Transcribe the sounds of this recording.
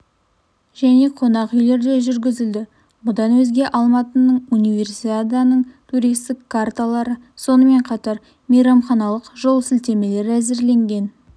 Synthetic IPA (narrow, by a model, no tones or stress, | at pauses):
ʒæne̞qʰo̞nɑqʏjle̞ɾd̪e̞ʒʏɾɡʲɪzɪld̪ɪ | bʊd̪ɑnwɵzɡʲe̞ʔɑlˠmɑt̪ənəɴunijvʲe̞rsit̪ad̪anəɴt̪ʰuɾijst̪ɪkʰːart̪alˠɑɾə | so̞nəme̞ɴqʰɑt̪ɑɾ | mejɾɑmχɑnɑlˠəqʒo̞lˠsɪlt̪e̞me̞le̞ɾæzɪɾle̞ŋɡʲe̞n